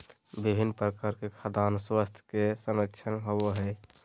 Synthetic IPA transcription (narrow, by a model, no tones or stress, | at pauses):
bibʱinːpɾəkaɾkekʰad̪aːnswast̪ʰj̥kesəmɾəkt͡ʃʰənɦowoɦɛː